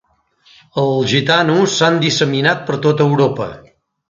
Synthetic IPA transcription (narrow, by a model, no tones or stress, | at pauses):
əlˠʒit̪anusːand̪isəminat̪̚pəɾt̪ot̪əwɾopə̰